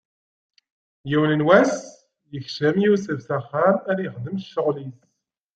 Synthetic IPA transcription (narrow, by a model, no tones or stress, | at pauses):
jiwnənwæs | jəçʃəmjusəvsæχːaɾæɾjəχd̪əmʃːəʁlis